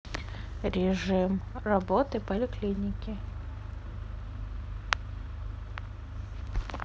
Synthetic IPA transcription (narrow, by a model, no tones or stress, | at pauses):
ɾʲɪʐɨmrɐbot̪ɨpəlʲɪklʲinʲɪkʲɪ